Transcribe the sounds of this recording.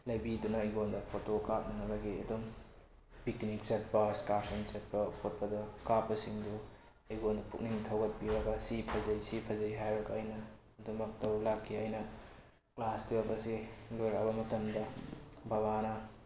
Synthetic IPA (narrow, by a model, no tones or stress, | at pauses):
lɐjbidunɐɐjɡondɐpʰotokak̚nɐnɐbɐɡiɐ̰dum | piknik̚t͡ʃɐt̚pɐskaɾsɐnt͡ʃɐt̚pɐpʰot̚pɐdɐkapːɐsiŋdu | ɐjɡondɐpʰuk̚niŋtʰɐwɡɐt̚biɾɐɡɐsipʰɐzɐjsipʰɐzɐjɦajɾɐɡɐːjnɐː | dumɐk̚tɐwɾlakʰːiɐjnɐ | klastuɐbɐsilojɾabɐmɐtɐmdɐbɐbanɐ